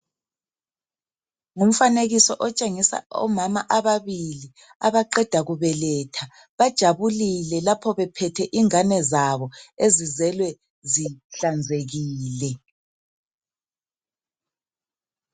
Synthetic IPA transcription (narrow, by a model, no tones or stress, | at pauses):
ŋum̩faneɣisɔʔɔt͡ʃʼeŋisa̰ɔ̰mamaʔaβaβili | aβaǃɛd̥ʱaɣuβɛlɛːtʰa | βad̥ʒ̥ʱaβulilɛlapʰɔβɛpʰɛtʰɛʔiŋanɛzaβɔezizɛlwɛ | ziɬand͡zʱeɣiːlɛ